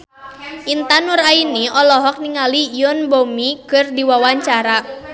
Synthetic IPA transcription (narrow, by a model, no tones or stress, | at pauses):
ʔint̪anurainiɔlɔɦɔk̚niŋalijɔnbɔmikɨrdiwawaɲt͡ʃaɾa